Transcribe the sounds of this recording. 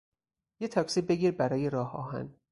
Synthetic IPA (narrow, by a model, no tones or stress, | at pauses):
jet̪ʰɒksiːbe̞ɡiːɾbæɾɒːjeɾɒːhɒ̰ːɦæ̰n